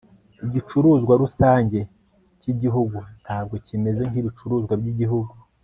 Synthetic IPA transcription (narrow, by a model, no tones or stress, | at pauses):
iɟit͡ʃuɾuːzɡwaɾusaːɲɟe̞ | ciɟiɦuɡun̥haːb̚ɡo̞cime̞ze̞ŋɡiβit͡ʃuɾuːzɡwaɾɟiɟiɦuɡu